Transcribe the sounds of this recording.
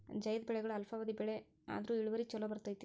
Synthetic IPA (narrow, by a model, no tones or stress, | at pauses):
d͡ʒɐjɐd̪bɛɭɛɡɐɭuɐlfʰɐʋɐd̪ibɛɭe | a̰ːd̪ɐɾuːiɭuʋɐɾit͡ʃɔlːobɐɾt̪ɐjt̪i